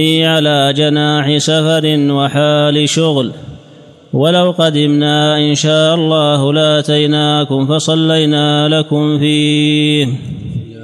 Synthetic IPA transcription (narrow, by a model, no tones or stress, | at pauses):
iːʕalaːd͡ʒanaːħɪsafɑɾɪnwaħaːlɪʃʊɣl | walawqɑd̪ɪmnaːʔɪnʃaːʔɑlˤːɑːhlɪʔat̪ajnaːkʊmfɑsˤɑlːajnaːlakʊmfiːh